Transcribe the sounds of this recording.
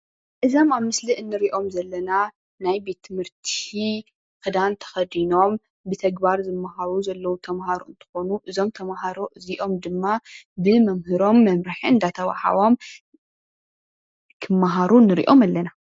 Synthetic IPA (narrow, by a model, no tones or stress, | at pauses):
ʔɨzo̞maβmɨsliʔɨnːɨɾiʔo̞mzɐlːɐna | najbe̞t̪ʰːɨmhɨɾt̪ʰi | kɨd̪ant̪ʰɐ̥xɐd̪ino̞m | bɨt̪ʰɐɡbaɾzɨmːaɦaɾuzɐlːɐwut̪ʰɐmhaɾoɨnt̪ʰɨ̥xo̞nuʔɨzo̞mt̪ʰɐmaɦaɾo̞ʔɨziʔo̞md̪ɨmːabɨmɐmhɨɾo̞mːɐmɾɨħiɨnd̪at̪ʰɐwa̰ħa̰wo̞m | kʰɨmːaɦaɾunːɨɾḭʔo̞malːɐna